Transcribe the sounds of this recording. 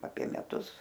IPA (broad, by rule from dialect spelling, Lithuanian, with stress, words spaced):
ɐpʲiɛ mʲɛˈtʊs